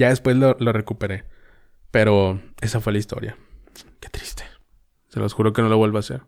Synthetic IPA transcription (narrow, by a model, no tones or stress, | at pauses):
ʝaðe̞spwe̞zlolo̞re̞kupe̞ɾe̞ | pe̞ɾo̞e̞safwe̞laist̪o̞̰ɾja̰ | ket̪ɾi̥st̪e̥ | selʔo̰sxuɾo̞keno̞loβwelβasḛɾ